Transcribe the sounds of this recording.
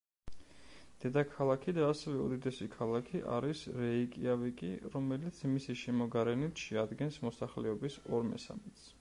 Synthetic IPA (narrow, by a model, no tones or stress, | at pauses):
d̪̥ɛd̪akʰalˠakʰid̪aːsɛvɛɔ̰d̪id̪ɛsikʰalˠakʰiʔa̰ɾisɾɛikʼḭavikʼḭɾɔmɛlit̪sʰmisiʃɛmɔɡaɾɛnit̪ʰʃɛad̪ɡɛnsmɔsaχlɛɔbisɔɾmɛ̰sa̰mɛt̪s